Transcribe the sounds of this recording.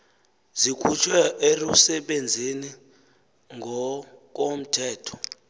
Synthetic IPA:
zikʰut͡ʃʰwɛʔerusɛɓend͡zʱini | ŋʱɔk̬om̩tʰɛːtʰɔ̥

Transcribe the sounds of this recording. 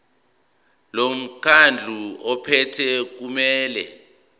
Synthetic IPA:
lom̩kʰand͡ɮʱuɔpʰɛtʰɛk̬umɛːlɛ̰

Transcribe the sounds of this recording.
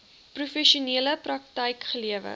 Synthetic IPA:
prufɛʃuniələprɐk̚təjkχəliəvə̰

